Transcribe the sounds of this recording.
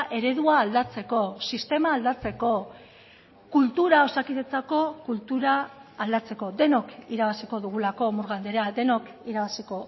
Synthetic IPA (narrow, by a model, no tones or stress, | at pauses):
ʔe̞ɾe̞ðuaːld̪at͡se̞ko̞sist̪e̞maːld̪at͡se̞ko̞ | kult̪uɾao̞sakiðe̞t͡sako̞kult̪uɾaːld̪at͡se̞ko̞d̪e̞no̞kiɾaβasiko̞ðuɣ̞ulako̞muɾɣand̪e̞ɾead̪e̞no̞kiɾaβasiko̞